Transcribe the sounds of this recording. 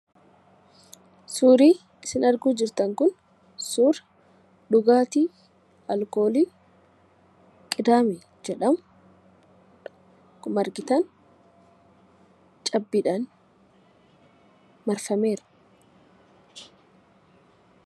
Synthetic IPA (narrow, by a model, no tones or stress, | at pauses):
suːɾiː | ɪsɪnɐɾɡuːd͡ʒɪɾt̪ɐŋkʊn | suːɾ | ɗʊɡaːt̪iː | ɐlko̞ːliː | kʼɪd̪aːmɛ | d͡ʒɛᶑɐm | kʊmɐɾɡɪt̪ɐn | t͡ʃʼɐbːɪᶑan | mɐɾfɐme̞ːɾɐ̥